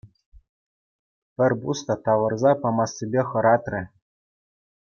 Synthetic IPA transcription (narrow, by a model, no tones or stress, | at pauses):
pʲɘ̆rʲbust̪ɑt̪ɑʋɤ̆rzɑpɑmɑsʲːebʲeχɤ̆ɾɑt̪rʲɘ̆